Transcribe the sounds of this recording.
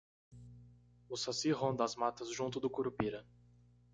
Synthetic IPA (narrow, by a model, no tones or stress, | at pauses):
ʊsasiɦõnd̪ɐzmat̪ɐzʒũnt̪ʊd̪ʊkuɾupiɾɐ